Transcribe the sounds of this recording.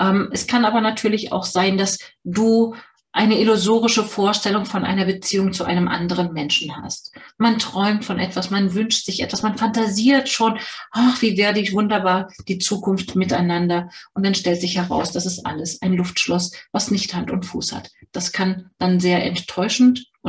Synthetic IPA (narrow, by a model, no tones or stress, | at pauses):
ʔɛːmʔɛskʰanaːbɐnatʰyːɐlɪça̰ʊxz̥aɪndasd̥uː | ʔaɪnəɪlʊzoːʁ̞ɪʃəfoːɐʃtɛlʊŋfɔnʔa̰ɪnɐbət͡siːʊŋt͡suʔa̰ɪnəmʔa̰ndəʁ̞ənmɛnʃn̩ha̰stmantʁ̥ɔʏmtfɔnʔɛtv̥asmanvʏnʃtz̥ɪçʔɛ̰tv̥asmanfantaziːɐtʃoːnʔaχv̥iːvɛːɐdivʊndɐbaːɐd̥iːt͡suːkʊnftmɪtaɪnandɐʔʊnt̚manʃtɛltz̥ɪçhɛʁa̰ʊsd̥asɛstʔa̰ləsaɪnlʊftʃlɔsvasnɪçthantʊntfṵːsha̰td̥askʰand̥anzeːɐʔɛ̰ntʰːɔʏʃn̩t